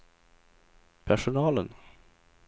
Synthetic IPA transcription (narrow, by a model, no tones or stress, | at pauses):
pʰæʂʊnɑːlə̰n